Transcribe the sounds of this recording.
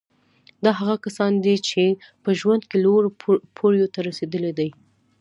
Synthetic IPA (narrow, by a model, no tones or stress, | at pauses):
d̪ɑɦaɣakasɑnd̪it͡ʃepəʒwand̪keloɾpʰoɾjot̪aɾased̪əled̪aj